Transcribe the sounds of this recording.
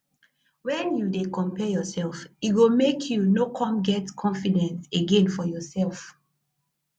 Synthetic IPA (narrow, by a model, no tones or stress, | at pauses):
wɛ̃njudekɔ̃mpɛjɔsɛlfiwilmekʰjunokʰɔ̃mɡɛtkʰɔ̃nfidɛ̃nseɡẽnfɔjɔsɛlˠf